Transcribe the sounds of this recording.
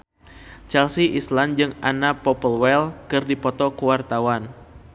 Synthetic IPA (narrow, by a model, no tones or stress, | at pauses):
t͡ʃɛlsiʔisland͡ʒɨŋanapɔpəlwɛlkɨrdipɔt̪ɔkuwart̪awan